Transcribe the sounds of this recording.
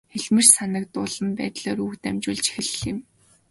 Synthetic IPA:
xeɮmɘ̆rsanə̆k̚t̪ʊːɮə̆mpæ̰ːt̪ɮoːɾuːxt̪æmt͡ɕuːɮt͡ɕe̥xɘ̆ɮɪ̆m

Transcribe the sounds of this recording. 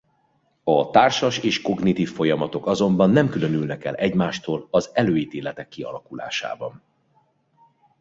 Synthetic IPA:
ɒt̪aːrʃɒʃeːʃko̞ɡnit̪iːfːo̞jɒmɒt̪o̞kɒzo̞mbɒnːɛmkylø̞nylnɛkɛlʔɛɟmaːʃt̪oːlɒzɛløːjit̪eːlɛt̪ɛkːiɒ̰lɒkula̰ːʃa̰ːbɒn

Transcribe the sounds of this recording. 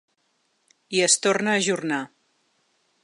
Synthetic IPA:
iəst̪ornəːʒurna

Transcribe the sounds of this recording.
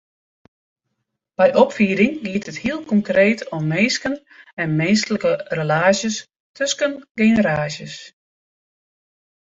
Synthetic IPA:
b̥ɛjʔɔpfiːəɾɪŋɡiətəthiəlˠkɔŋkreːtʰɔmːeːskən | ɛnmeːnstələkərəlaːsjəs | tʰøskənɡeːnəɾaːsjəs

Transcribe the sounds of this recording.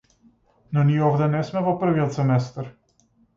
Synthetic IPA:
nɔniɔvd̪ɛnɛsmɛvɔpr̩viɔt̪sɛmɛst̪aɾ

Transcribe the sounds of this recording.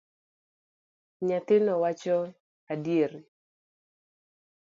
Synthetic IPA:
ɲat̪ɪnɔwat͡ʃɔ | adjeɾ

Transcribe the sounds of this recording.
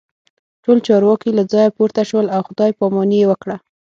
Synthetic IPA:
ʈolt͡ʃɑɾwɑkilad͡zɑjapoɾt̪aʃwəlawxʊd̪ɑjpɑmɑnijewəkɽa

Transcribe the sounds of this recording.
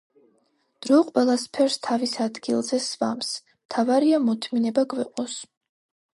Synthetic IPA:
d̪̥ɾɔqʼwɛlˠaspʰɛɾst̪ʰavisad̪ɡilˠzɛsva̰ms | mt̪ʰavaɾiamɔt̪ʰminɛbaɡvɛqʼɔs

